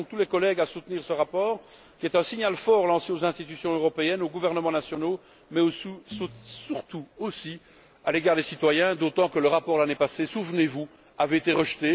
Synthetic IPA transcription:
t̪ulɛkɔlɛɡasut̪niːʁsəʁapɔːʁ | kʲiɛt̪ɛ̃siɲalfɔʁlɑ̃seozɛ̃st̪it̪ysjɔ̃øʁɔpeɛnoɡuvɛʁnəmɑ̃nasjɔno | mɛosusyʁt̪uosi | aleɡaːʁd̪esit̪wajɛ̃d̪ot̪ɑ̃kələʁapɔʁlanepasesuvnevu | aveet̪eʁəʃt̪e

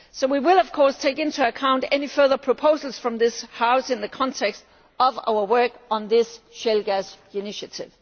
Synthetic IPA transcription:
soʊwiwɪlˠʌv̥kʰɔɹstʰeɪkɪ̃ntʰuɨkʰãʊ̃ntɛnifɜ˞ðə˞pʰɹ̥əpʰoʊzl̩ˠz̥fɹʌ̃mðɪshaʊsɨ̃nðɨkʰɑ̃ntʰɛkst | ʌva̰ʊə˞wɜ˞kn̩ðɪsʃɛlɡæs | ɨnɪʃɨtʰɪv̥

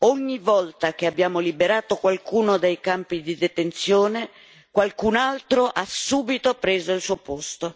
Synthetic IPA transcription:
oɲːivɔlt̪ak̟eabːjaːmolibeɾaːt̪okwalkuːnod̪ejkampid̪id̪et̪ent̪sjoːne | kwalkunalt̪ɾoʔasuːbit̪opɾeːzoilsuːopost̪o

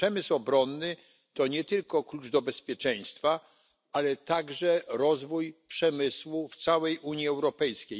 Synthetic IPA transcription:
ɛmɘswɔbɾɔnːɘ | t̪ɔɲɛt̪ɘlkɔklud͡ʐd̪ɔbɛspʲjɛt͡ʂɛj̃st̪fa | alɛt̪aɡʐɛɾɔzvujpʂɛmɘswuft̪sawɛjʔuɲjiɛwɾɔpɛjskʲej

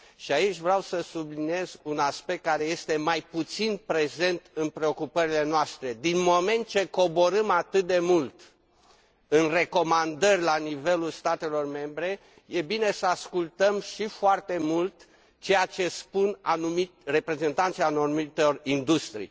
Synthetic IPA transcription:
ʃiait͡ʃʲvɾeawsəsublinije̞zunaspe̞k̚t̪̚kːaɾe̞je̞st̪e̞majput̪sinpɾe̞ze̞nt̪ɨnpɾe̞o̞kupəɾile̞noast̪ɾe̞d̪inmo̞me̞nt̪̚t͡ʃe̞ko̞bo̞ɾɨmat̪ɨt̪̚d̪e̞mult̪ | ɨnre̞ko̞mand̪ərʲlanive̞lulst̪at̪e̞lo̞rme̞mbɾe̞ | je̞bine̞səaskult̪əmʃifoart̪e̞mult̪ | t͡ʃe̞jat͡ʃe̞spunanumire̞pɾe̞ze̞nt̪ant̪sianomit̪orind̪ust̪ɾḭ

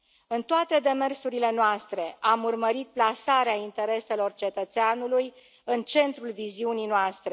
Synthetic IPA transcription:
ɨnt̪oat̪e̞d̪e̞me̞rsuɾile̞noast̪ɾe̞ʔamurməɾit̪̚plasaɾeaint̪e̞ɾe̞se̞lo̞rt͡ʃe̞t̪ət̪seanuluj | ɨnt͡ʃe̞nt̪ɾulviziunijnoast̪ɾe̞

